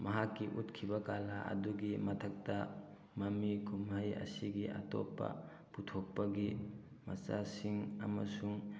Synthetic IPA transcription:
mɐɦakːiʔutkʰibɐkalaʔɐ̰duɡimɐtʰɐk̚tɐ | mɐmikʰumɦajɐ̰siɡiʔa̰tɔ̰pːɐ̰ | putʰok̚pɐɡi | mɐ̰t͡ʃasiŋɐ̰mɐsuŋ

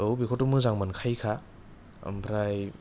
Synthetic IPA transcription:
ɯwbikʰotumɯzaŋmankʰajkʰa | ɐ̰mpʰɾaj

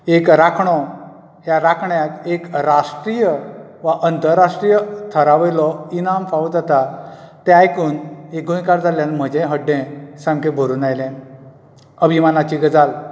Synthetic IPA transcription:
ekɾakʰɳɔ | ɦjaɾakʰɳjat̪ekɾaʂʈɾijəʋaʔənt̪əɾːaʂʈɾijət̪ʰəɾaʋelɔinamfaud͡zat̪a | t̪eajkuːneɡõjkaɾd͡zaljãnm̤əd͡ʑẽɦəɖːẽsãŋkẽbʱəɾuːnajlẽ | əbʱimanat͡ɕiɡəd͡zal

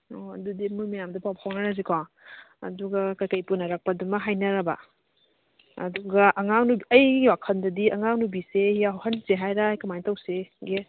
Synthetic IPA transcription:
ɔɐ̰dudimumijamdɐpawphawnaɾaz̬ikʰa | ɐ̰duɡɐkajkɐjpunɐɾak̚pɐdumɐɦajnɐɾɐbɐ̰ | ɐ̰duɡɐʔɐŋaŋnubiɐjɡiɡiwakʰɐndɐdiɐŋaŋnubisehijaɦhɐnseɦajɾajkamajntawseɡe

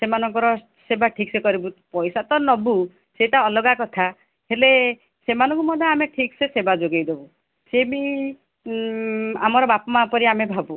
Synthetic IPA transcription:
semanɔŋkɔɾɔ | sebaʈʰiksekɔɾibupɔjsat̪ɔnɔbu | setaɔlɔɡakɔt̪ʰa | hele | semanɔ̃ŋkumɔd̪ʱɔameʈʰiksesebad͡ʒoɡejd̪ebu | sebi | amɔɾɔbapɔmapɔɾiamebʱabu

